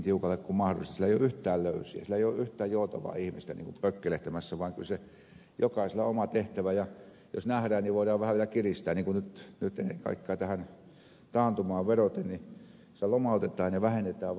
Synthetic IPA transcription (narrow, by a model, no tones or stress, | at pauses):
t̪iukɑlːekkummɑhro̰list̪ɑsilːæeˑioʔyht̪ˑæːlløˑysˑiæ̰silːæeˑijoʔʔyht̪ˑæːjjoˑut̪ɑʋɑ̰ːihmist̪ænḭːŋkumprøkːeleht̪æmæsːæʋɑˑiŋkylse | jokɑˑiselːɑ̰omɑt̪eht̪æʋæjɑ | josnæhɾæːnniʋoˑiɾɑːʋʋæhæʋielækirist̪æːnniːŋkunnyt̪nyt̪enːḛkɑ̰ˑikːɑːt̪æhæn | t̪ɑːnt̪umɑːʋʋerot̪enni | elomɑˑut̪et̪ˑɑːnjɑʋæhenːet̪æːʋ